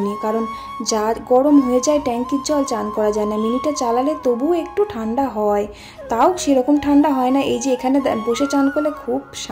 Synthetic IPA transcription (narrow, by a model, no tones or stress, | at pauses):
nikaɾon | d͡ʑaɡɔɽomɦoed͡ʑaeʈɛŋkitd͡ʑɔlt͡ɕankɔɾad͡ʑaenaminiʈːat͡ɕalalet̪obuek̚ʈuʈʰaɳɖaɦɔe | t̪aoʃeɾɔkomʈʰaɳɖaɦɔenaʔejd͡ʑeekʰaneboʃet͡ɕankoɾlekʰubʃa